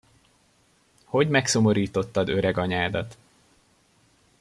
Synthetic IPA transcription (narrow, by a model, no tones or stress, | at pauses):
ho̞ɟmɛkso̞mo̞ɾiːt̪o̞t̪ːɒd̪ø̞ɾɛɡɒɲaːd̪ɒt̪